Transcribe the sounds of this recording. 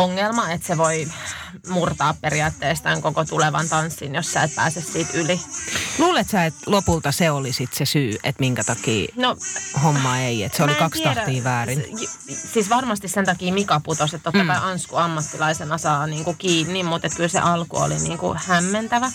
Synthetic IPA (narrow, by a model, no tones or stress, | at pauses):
oŋːelmɑet̪seʋoi | murt̪ɑːppeɾiɑːt̪ːeːst̪æŋkokot̪uleʋɑ̰nt̪ɑnsːinjosːæˑet̪̚pæ̰ːsessiːt̪yliluːlet̪sæet̪lopult̪ɑseolisit̪sesyːet̪miŋkæt̪ɑkḭːnohomːɑeiḛt̪seollikɑkstiɑɾæiːʋæːrinsiːsʋɑrmɑst̪issent̪ɑkiːmikɑput̪oset̪t̪ːot̪ːɑkɑiʔɑnskuɑmːɑt̪ːilɑisenɑsɑːniːŋkukiːnːimmut̪et̪kylsḛʔɑlkṵo̰lḭnḭːŋkṵhæmːent̪æʋæ